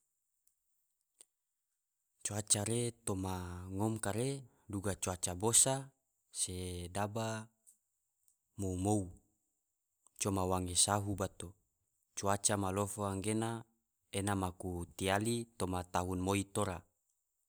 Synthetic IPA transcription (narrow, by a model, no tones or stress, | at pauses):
t͡ʃuat͡ʃaɾet̪omaŋomkaɾe | duɡat͡ʃuat͡ʃabosa | sedaba | moumou | t͡ʃomawaŋesaɦubat̪o | t͡ʃuat͡ʃamalofoaŋɡena | enamakut̪ialit̪omat̪aɦunmoit̪oɾa